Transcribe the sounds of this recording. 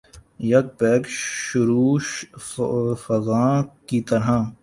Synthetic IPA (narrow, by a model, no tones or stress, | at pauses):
jɐɡ̚pɛːkʃʊɾuːʃ | fɐzaːkit̪ɐɾɦãː